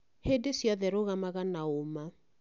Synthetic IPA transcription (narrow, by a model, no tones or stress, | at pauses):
hedesjaðɛɾoɣamaɣanaoma